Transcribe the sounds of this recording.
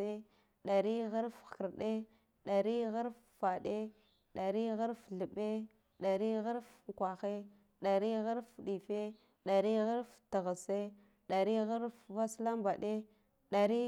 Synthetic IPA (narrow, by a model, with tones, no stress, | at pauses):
e˦ | ɗa˨ɾi˦ɣa˦ɾfkə˨ɾɗe˦ | ɗa˨ɾi˦ɣa˦ɾf | fa˨ɗe˦ | ɗa˨ɾi˦ɣa˦ɾfɮə˨be˦ | ɗa˨ɾi˦ɣa˦ɾfkʷa˨xe˦ | ɗa˨ɾi˦ɣa˦ɾfɗi˨fe˦ | ɗa˨ɾi˦ɣa˦ɾftə˨ɣa˨se˦ | ɗa˨ɾi˦ɣa˦ɾfva˦sla˦mba˨ɗe˦ | ɗa˨ɾi˦